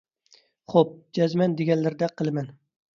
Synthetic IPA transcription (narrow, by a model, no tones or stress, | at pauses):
χop̚d͡ʒazmand̪eɡʲɛnlɪɾd̪aqʰɨlˠman